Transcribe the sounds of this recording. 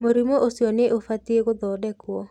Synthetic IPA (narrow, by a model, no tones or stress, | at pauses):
moɾimoʔosiɔneʔofat̪ieɡod̪ɔdɛkwɔ